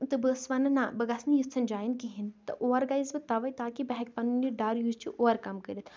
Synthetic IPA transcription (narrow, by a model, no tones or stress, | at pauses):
t̪ɨbəːsʋɐnɐnaːbɐɡɐsnjist͡s̪ʰːɐnd͡ʒaːjinkiɦint̪ɨ̰ʔoːɐɾɡaizbɨt̪ɐʋɐjt̪aːkibɐɦɛkʲpɐnuniɖaːɾjuːzt͡ʃʰiʔoːɐɾkɐmkəɾʲit̪ʰ